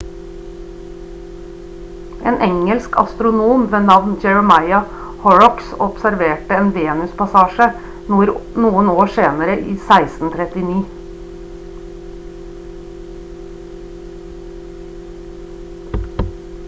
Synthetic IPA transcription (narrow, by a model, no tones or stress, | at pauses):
ʔḛːnʔɛŋəlskʰɑ̰st̪ɾʊnuːmʋeːnɑʋnd͡ʒɛɹəmɑɪɑ | hɔɹɔksɔpsæɾʋeːʈəeːnʋeːnʉspɑsɑːʃə | ɾnuːənoːʂeːnəɾəʔiːsæɪst̪n̩t̪ʰɾɛt̪ɪniː